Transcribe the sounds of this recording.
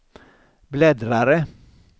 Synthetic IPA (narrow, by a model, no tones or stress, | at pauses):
blɛd̪ɾaɾə